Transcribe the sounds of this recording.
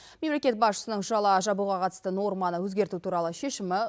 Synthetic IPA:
me̞mle̞kʲe̞t̪̚bɑsʃə̥sənəɴʃʊɑlˠɑəʒɑbuʁɑqʰɑt̪ə̥st̪əno̞ɾmɑnəwɵzɡʲe̞ɾt̪ut̪ʰuɾɑlˠəʃe̞ʃɪmɪ

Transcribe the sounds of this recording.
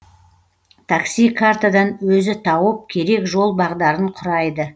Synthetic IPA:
t̪ʰaksijkʰaɾt̪ad̪ɑnwɵzɪt̪ʰɑwəp̚kʲʰe̞ɾe̞kʒo̞lˠbɑʁd̪ɑɾəɴqʰʊɾɑjd̪ə

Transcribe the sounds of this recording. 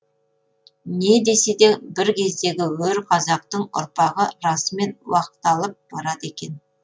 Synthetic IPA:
ne̞d̪e̞se̞d̪e̞bɪɾkʲʰe̞zd̪e̞ɡʲɪwɵɾqʰɑzɑq̚t̪əɴʊ̰ɾpɑʁəɾɑsəme̞nwɑqət̪ɑlˠəp̚b̥ɑɾɑt̪e̞kʲe̞n

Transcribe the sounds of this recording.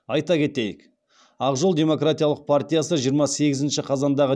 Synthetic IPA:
ɑjt̪ɑkʲʰe̞t̪e̞jɪk | ɑqʒolˠd̪ʲe̞mo̞krat̪ijalˠəq̚pʰart̪ʲijasəʒijəɾmɑse̞ɡʲɪzɪnʃɪqʰɑzɑnd̪ɑʁə

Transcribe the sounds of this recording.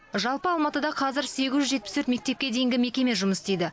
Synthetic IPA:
ʒɑlˠpəɑlˠmɑt̪əd̪ɑqʰɑzɪɾse̞ɡʲɪzʒʏzʒe̞t̪̚pɪ̥sɵɾt̪me̞k̚t̪e̞p̚kʲe̞d̪e̞jɪŋɡʲɪme̞kʲe̞me̞ʒʊməst̪ejd̪ɪ

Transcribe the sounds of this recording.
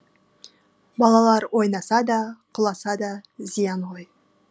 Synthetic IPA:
bɑlˠɑlˠɑɾwo̞jnɑsɑd̪ɑqʰʊlˠɑsɑd̪ɑzijɑnwoj

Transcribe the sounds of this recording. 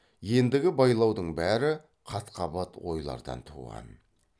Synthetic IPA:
je̞nd̪ɪɡʲɪbɑjlˠɑwd̪əɴbæɾɪ | qʰɑt̪qʰɑbɑt̪wo̞jlˠɑ̰ɾd̪ɑ̰nt̪ʰṵʁɑ̰n

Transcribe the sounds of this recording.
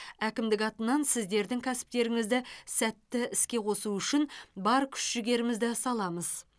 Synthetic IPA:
ækʲɪmd̪ɪkɑt̪ənɑnsɪzd̪e̞ɾd̪ɪŋkʲʰæsɪ̥p̚t̪e̞ɾɪŋɪzd̪ɪsæt̪ːɪɪskʲe̞qʰo̞suʏʃɪnbɑɾkʲʰʏ̥ʃʒʏɡʲe̞ɾɪmɪzd̪ɪsɑlˠɑməz̥

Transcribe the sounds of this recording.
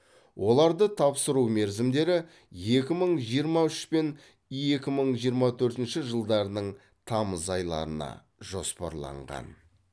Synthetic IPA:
wʔo̞lˠɑɾd̪ət̪ʰɑpsəɾuwme̞ɾzɪmd̪e̞ɾɪ | je̞kʲɪməɴʒijəɾmɑʏʃpen | je̞kʲɪməɴʒijəɾmɑt̪ʰɵɾt̪ɪnʃɪʒəlˠd̪ɑɾənəɴ | t̪ʰɑməzɑjlˠɑ̰ɾənɑ̰ | ʒ̥o̞spɑ̰ɾlˠɑ̰ɴʁɑ̰n

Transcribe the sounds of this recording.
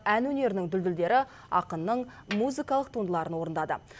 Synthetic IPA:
ænwɵne̞ɾɪnɪŋd̪ʏld̪ɪld̪e̞ɾɪ | ɑ̰qənːəɴmuzijkɑlˠəqt̪ʰunəlˠɑɾənwo̞ɾənd̪ɑd̪ə̰

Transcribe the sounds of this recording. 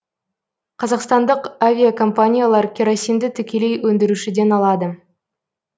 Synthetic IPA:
qʰɑzɑqst̪ɑnd̪əqavʲijakʰo̞mpanʲijalˠɑɾkʲʰeɾosijmd̪ɪt̪ʰʏkʲe̞le̞jwɵnd̪eɾuʃɪd̪e̞nɑlˠɑd̪ə

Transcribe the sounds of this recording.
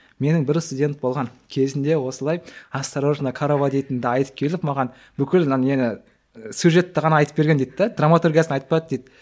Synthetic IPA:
me̞nɪŋbɪɾst̪ud̪ʲe̞nt̪̚bo̞lˠʁɑŋkʲʰe̞zɪnd̪e̞wo̞səlˠɑjɑst̪ɾoʒənɑkʰaɾovad̪ʲijt̪ɪnd̪ɑɑjt̪ə̥kʲʰe̞lɪpmɑʁɑn | bʏkʲɪlenɪ | sjuʒe̞t̪ːɪʁɑnɑɑjt̪əpbe̞ɾɡʲend̪ejt̪ːd̪ed̪ramat̪urɡʲijasənɑjt̪ə̥pɑɾɑt̪d̪ejd̪

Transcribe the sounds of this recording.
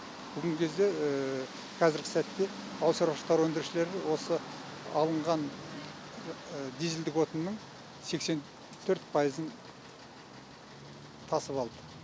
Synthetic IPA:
b̥ʏɡʲɪŋkʲʰe̞zd̪e̞ | qʰɑzɪɾɡʲɪsæt̪ːe̞ | ɑwsɑɾʃə̥qt̪ɑɾwɵnd̪ɪɾʃɪle̞ɾɪwo̞səɑlˠəɴʁɑn | d̪izɪld̪ɪkwo̞t̪ənnːəɴ | se̞kse̞n | t̪ʰɵɾt̪pʰɑjəzən | t̪ʰɑsəpɑlˠd̪ə

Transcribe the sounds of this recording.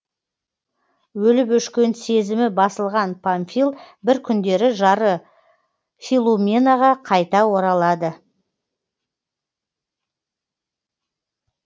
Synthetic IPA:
wɵlɪpʏʃkʲe̞nse̞zɪmɪbɑsəlˠʁɑnpʰanfilˠbɪɾkʲʰʏnd̪e̞ɾɪʒɑɾə | filˠumʲenaʁɑqʰɑjt̪ɑwo̞ɾɑlˠɑd̪ə

